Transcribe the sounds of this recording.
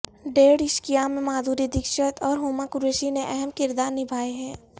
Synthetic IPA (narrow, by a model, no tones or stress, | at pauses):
ɖeːɽɪʃkijamẽmaːd̪ʱuːɾid̪ɪkʃət̪ɔːɾɦoːmakʊɾeːʃineʔɛɦɛmkɪɾd̪aːɾnɪbʱaːeɦɛ̃ː